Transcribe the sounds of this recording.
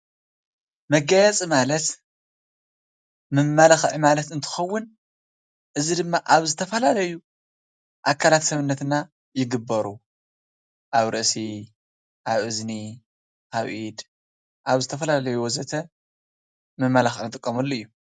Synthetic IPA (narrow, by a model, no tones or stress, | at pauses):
mɐɡajat͡sʼimalɐt̪ | mɨmːalaxʕimalɐt̪ɨnt̪ʰɨ̥xɐwːʊn | ʔɨzid̪ɨmːaʔaβzɨt̪ʰɐfɐlalɐju | ʔakʰːalat̪sɐβɨnːɐt̪ɨna | jɪɡɨbːɐɾu | ʔaβɾɨʔsi | ʔaβʔɨzni | ʔaβʔid̪ | ʔaβzɨt̪ʰɐfɐlalɐjuwzɐt̪ʰɐ | mɨmːalaxʔnɨt̪ʼɨkʼːɐmɐlːoɨjːu